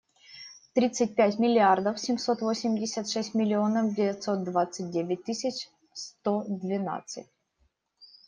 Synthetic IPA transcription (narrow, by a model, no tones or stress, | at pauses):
t̪ɾʲit̪sɨt̚ʲpʲætʲmʲɪlʲɪard̪əfsʲɪmso̞t̪vosʲɪmʲdʲɪsʲət̪ʂɛsʲtʲmʲɪlʲɪonəvdʲɪvʲɪt̪sot̪̚d̪vat̪sɨt̚ʲdʲevʲɪt̚ʲt̪ːɨsʲɪt͡ɕ | st̪od̪vʲɪna̰t̪sɨ̰t̚ʲ